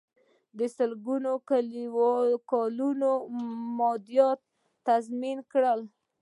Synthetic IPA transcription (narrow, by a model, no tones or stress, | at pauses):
d̪əsəlɡunokaliwkɑlunomɑd̪jɑt̪ː | azminkɽəl